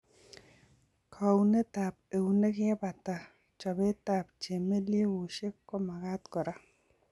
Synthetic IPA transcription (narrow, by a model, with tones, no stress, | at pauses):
kʰa˨wne˦ta˨p̚e˨wne˦kɪ˦ɛ˦pa˨ta˨ | t͡ʃɔ˨be˦ta˨p̚t͡ʃe˨me˦lje˦wu˨ʃe˦kːɔ˦ma˨ka˦tkɔ˨ɾa˦